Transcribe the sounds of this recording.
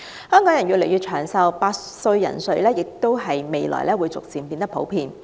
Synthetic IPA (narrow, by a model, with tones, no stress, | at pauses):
hœː˥ŋkɔː˨˥ŋjɐ˨˩njɥyː˨le˨˩jyː˨˧t͡ʃʰœː˨˩ŋsɐ˨wpaː˧t̚ | sɵ˧ɥjɐ̰˨˩nsɵ˧ɥlɛː˥jɪ˨k̚t̪o˥wɦɐ˨jme˨jlɔ̰ː˨˩jlɛː˥wuː˨˧jt͡sʊ˨k̚siː˨˩npiː˧nt̪ɐ˥pʰo˨˥wpʰiː˧n